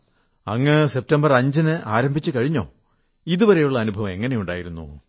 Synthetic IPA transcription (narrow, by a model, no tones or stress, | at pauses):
ɐŋːɐse̞p̚tɐmbɐrɐɲd͡ʑinɨʔaːɾɐmbʱit͡ɕːɨkɐɻiɲːo̞̰ː | iðupɐɾe̞juɭːɐːnubʱɐʋɐme̞ŋːɐne̞juɳɖa̰ːjiɾunːṵ